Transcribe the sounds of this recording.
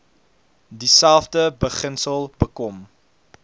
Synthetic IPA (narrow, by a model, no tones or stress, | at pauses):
disælˠfdəbəχənsəlˠbəkɔm